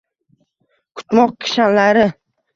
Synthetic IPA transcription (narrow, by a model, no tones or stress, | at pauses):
kʰʊ̥t̪mɒq̚kʲʰɪ̥ʃanlaɾɪ